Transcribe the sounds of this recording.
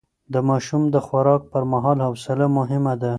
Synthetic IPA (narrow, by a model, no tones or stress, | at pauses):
d̪əmɑʃumd̪əxwaɾɑk̚pəɾmaɦɑlhawsɪlamʊɦɪmad̪a